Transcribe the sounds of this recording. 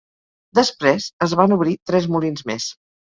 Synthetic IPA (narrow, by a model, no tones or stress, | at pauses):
d̪əspɾesəzβanuβɾit̪ɾɛzmulinzmḛs